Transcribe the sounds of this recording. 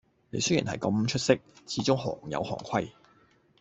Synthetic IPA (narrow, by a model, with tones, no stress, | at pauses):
nḛ˨˧jsɵ˥jy̰ː˨˩nhɐ̰˨jkɐ˨˧˥mt͡ʃʰɵ˥t̚sɪ˥k̚t͡sʰiː˨˥t͡sʊ˥ŋhɔː˨˩ŋjɐ̰˨˧whɔ̰ː˨˩ŋkʷʰwɐ˥j